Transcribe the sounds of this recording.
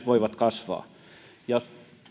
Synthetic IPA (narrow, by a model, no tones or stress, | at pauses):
ʋoiʋɑt̪kɑsʋɑ̰ː | jɑ